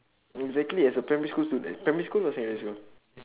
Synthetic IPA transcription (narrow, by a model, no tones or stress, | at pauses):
ɛɡzɛk̚tliɛsəpɹɛmiskulstudɛpɹɛmiskulɔsɛ̃ŋɛskul